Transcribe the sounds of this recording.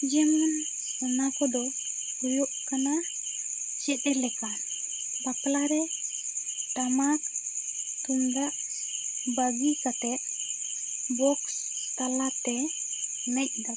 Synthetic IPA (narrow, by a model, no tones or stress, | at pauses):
d͡ʒemun | onakɔdo | joʔkːana | t͡ʃeɗɛlɛkan | baklaɾe | tamak | t̪unda | baɡikat̪e | bɔks | t̪alate | naʔda